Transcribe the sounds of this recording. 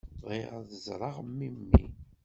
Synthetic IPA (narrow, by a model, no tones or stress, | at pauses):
ʁiʁðəzˤɾˤɑʁmːimːḭ